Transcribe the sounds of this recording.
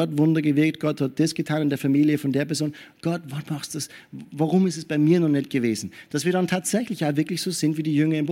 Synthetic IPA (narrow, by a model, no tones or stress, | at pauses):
ɔtvʊndɐɡəvɪɐk̚tɡ̥ɔthat̚d̥isɡ̥ətʰaːnɪndeːɐfaɐmiːljəfɔndeːɐpɛɐzoːnɡ̥ɔtvɔtmaχstd̥asvaʁʊmɪstɛsb̥aɪmiːɐnɔχnɛt̚ɡ̥əveːzn̩d̥asv̥iːɐdantʰaːtz̥ɛçlɪçjaːvɪɐklɪçz̥oːz̥ɪntv̥iːdiːjʏŋɐɪmb